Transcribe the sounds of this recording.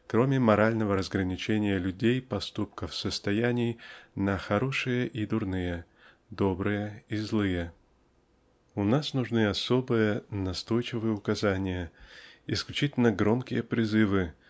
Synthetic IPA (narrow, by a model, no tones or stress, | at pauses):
kɾo̞mʲɪmɐɾalʲnəvəɾəzɡɾənʲɪt͡ɕenʲɪjəlʲʉdʲejpɐst̪upkəfsəst̪ɐjænʲɪjnəxɐɾo̞ʂɨjəʔid̪ʊrnɨjə | d̪o̞bɾɨjəizlˠɨjə | ʊnasnʊʐnɨɐso̞bɨjənɐst̪o̞jt͡ɕɪvɨjəʊkɐzanʲɪjəɪsklʲʉt͡ɕitʲɪlʲnəɡɾo̞mkʲɪjəpɾʲɪzɨvɨ